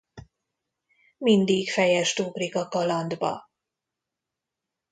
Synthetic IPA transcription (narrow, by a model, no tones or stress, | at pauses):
mind̪ikfɛjɛʃt̪uɡrikɒkɒlɒnd̪bɒ̰